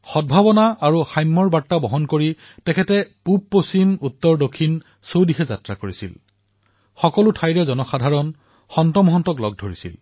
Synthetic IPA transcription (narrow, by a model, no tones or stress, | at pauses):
xɔd̚bʱabɔnaaɹuxajmːɔɹbatːabɔɦɔnkoɹi | tɛkʰɛtɛpup̚posimutːɔɹdokʰːin | sowdiɦɛza̰tɹakoɹisḭl | xɔkɔlʊtʰajɹɛzɔnɔxadʱaɹɔn | xɔntɔmɔɦɔntɔklɔɡ̚dʱoɹisḭl